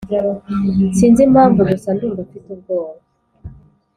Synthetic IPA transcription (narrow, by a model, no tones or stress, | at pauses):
siːnzim̥haːɱvudusandumdufituɾɡoːβa